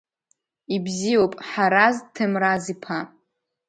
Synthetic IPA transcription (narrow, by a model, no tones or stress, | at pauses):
ibzijowpʼħaɾaztʰɨmrazipʰa